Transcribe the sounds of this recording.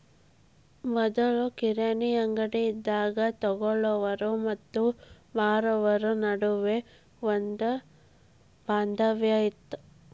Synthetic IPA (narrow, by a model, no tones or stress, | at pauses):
mɔd̪ɐɭukiɾɐnijɐŋɡɐɽeid̪ːaːɡɐt̪ɔɡɔɭɔʋɐɾumɐt̪ːu | baːɾɔʋɐɾunɐɽuʋe | ond̪ɐ | baːnd̪ɐʋjɐjit̪ːu